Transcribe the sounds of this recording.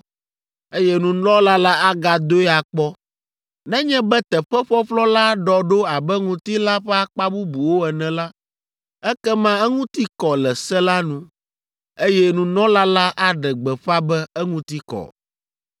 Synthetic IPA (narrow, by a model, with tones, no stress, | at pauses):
e˦jɛ˦nũ˨nɔ̃˦la˦la˦a˦ɡa˨d̪o˦ɛ˦a˨k͡pɔ˦ | nɛ̃˦ɲɛ̃˦bɛ˦t̪ɛ˨ɸɛ˦ɸɔ˦ɸlɔ˦la˦ɖɔ˨ɖo˦a˨bɛ˦ŋũ˨t̪i˦la˦ɸɛ˦a˦k͡pa˦bu˦bu˨wo˦ɛ˨nɛ̃˨la˦ | ɛ˦kɛ˦mã˦ɛ˦ŋũ˦t̪i˦kɔ˨lɛ˨sɛ˦la˦nũ˦ | e˦jɛ˦nũ˨nɔ̃˦la˦la˦ʔa˦ɖɛ˨ɡ͡bɛ˨ɸa˦bɛ˦ɛ˦ŋũ˦t̪i˦kɔ̰˨